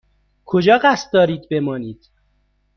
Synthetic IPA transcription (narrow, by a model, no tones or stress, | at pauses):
kʰod͡ʒɒːɢæst̪̚d̪ɒːɾiːd̪̚be̞mɒːniːd̪̥